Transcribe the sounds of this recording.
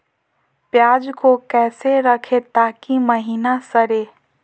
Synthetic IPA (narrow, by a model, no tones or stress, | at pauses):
pjaːd͡ʒkokɛːseɾəkʰet̪aːkiməɦiːnasəɾe